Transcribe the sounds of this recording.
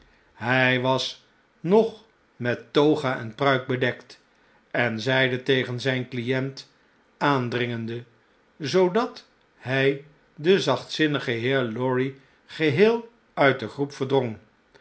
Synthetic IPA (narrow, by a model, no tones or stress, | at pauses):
ɦɛjʋɑs | nɔχ | mɛtːowχaːʔɛnprœɥk̚bədɛkt | ɛnzɛjdətejχənzɛjnklijɛnt | aːndrɪŋəndə | zowdɑt | ɦɛj | dəzɑχtsɪnəχəɦɪːɹlɔɹi | χəɦɪːlˠ | œɥt̚dəχrupfəɹdroŋ